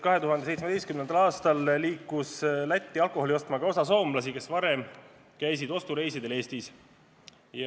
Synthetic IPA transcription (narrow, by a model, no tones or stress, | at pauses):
kɑɦe̞t̪uɦɑnd̪esej̪smed̪ejst̪kymnenɑlɑːst̪ɑlːiːkːˑuslæt̪ʲːiɑlko̞holio̞st̪mɑɡɑo̞sɑs̬o̞ːmblɑs̬ike̞svɑɾe̞m | kæjs̬id̪o̞st̪uɾe̞jsid̪e̞le̞ːst̪is | j